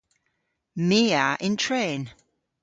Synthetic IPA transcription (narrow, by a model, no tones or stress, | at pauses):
miːaʔɪ̃ntʰɹ̥ẽːn